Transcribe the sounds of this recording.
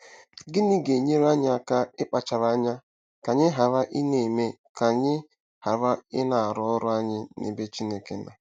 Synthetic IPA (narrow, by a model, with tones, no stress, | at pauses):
ɡɪ˦nɪ˦ɡe˨ɲe˦ɾa˦ɲɪ˦a˨ka˦ɪ˦k͡pa˨t͡ʃa˨ɾa˦ɲa˦ | ka˨ɲɪ˦ɦa˨ɾa˦ʔɪ˦ne˨me˦ka˨ɲɪ˦ | ha˨ɾa˦ɪ̰˦na˨a˨ɾɔ˦ɔ˦ɾʊ˦a˦ɲɪ˦nḛ˨be˦t͡ʃi˦ne˦ke˦na̰˨